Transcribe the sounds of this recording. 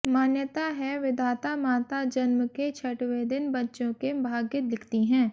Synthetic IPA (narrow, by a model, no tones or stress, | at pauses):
maːnjət̪aɦɛʋɪd̪ʱaːt̪amaːt̪ad͡ʒɐnmket͡ʃʰɐʈʋed̪ɪnbɐtːʃõkebʱaːɡjət̪lɪkʰt̪iɦɛ̃ː